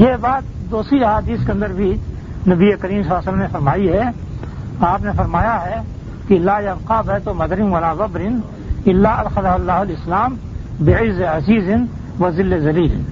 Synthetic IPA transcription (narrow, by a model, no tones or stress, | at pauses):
jeːbaːt̪̚d̪oːsɾiɐɦaːd̪iːskeɐ̃nd̪əɾbʱi | nɐbiekɐɾiːms̬ɐlaːsələmnefɐɾmaːiɦɛ | aːpnefɐɾmaːjaɦɛ | kilːaːjɐbqaːbɦɛt̪omɐd̪ɾɪmʋɐlaːbɐbɾɪn | ɪlːaːɐd̪xɐd̪ɐɦɐlːaːɦʊlɪslaːm | bɪɪzːeɐziːzɪn | ʋɐzɪlːezɐliːlɪ̰n